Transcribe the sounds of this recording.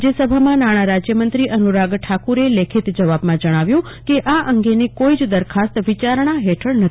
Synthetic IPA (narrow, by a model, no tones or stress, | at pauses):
d͡ʒjəsəbʱamãnaɽ̃aɾad͡ʒjəmənt̪ɾiʔənuɾaɡʈʰakuɾelekʰit̪d͡ʒəʋabmãd͡ʒəɽ̃aʋjũ | keʔaʔəŋɡenekoid͡ʒd̪əɾkʰast̪ʋɪt͡ʃaɾɳ̃aɦɛʈʰəɭnət̪ʰ